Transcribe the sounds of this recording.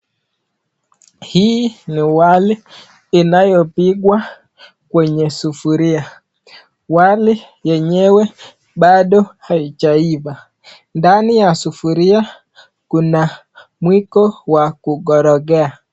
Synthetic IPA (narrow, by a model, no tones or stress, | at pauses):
hinɪwalɪː | najopɪɡwa | kweɲesufuɾɪa | walɪ | jɛɲewe | badohait͡ʃaiva | ndanɪjasufuɾɪa | kuna | mwikowakuɡɔɾɔɡɛa